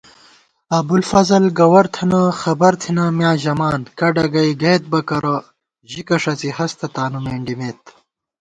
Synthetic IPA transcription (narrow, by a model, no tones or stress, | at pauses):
ɐbulfɐzɐlɡɐwɐɾt̪ʰɐnɐxɐbɐɾt̪ʰinɐmjãːʑɐmaːnkɐɖɐɡɐjɡeːt̪̚bɐkɐɾɐ | ʑikɐʂɐt͡sihɐst̪ʰɐt̪aːnumeːɳɖimeːt̪